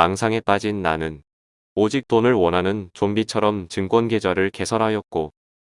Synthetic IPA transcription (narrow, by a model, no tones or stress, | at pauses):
aŋsʰaŋe̞p͈ad͡ʑinːa̰nɯn | od͡ʑik̚t͈onɯɭwʌnɦanɯnt͡ɕombit͡ɕʰʌɾʌmt͡ɕɯŋɡwʌnɡe̞d͡ʑaɾɯɭke̞sʰʌɾɦajʌt̚k͈o